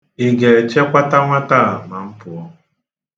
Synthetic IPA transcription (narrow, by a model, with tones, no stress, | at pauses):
ɪ˦ɡe˨t͡ʃe˦kʷa˦ta˦ŋʷa˦ta˦˨a˨ma˨m̩˦pʊ˨ɔ˦